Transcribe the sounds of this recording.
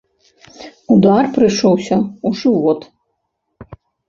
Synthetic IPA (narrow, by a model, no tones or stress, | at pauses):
ud̪arpɾɨʂɔwsʲɐuʐɨʋɔt̪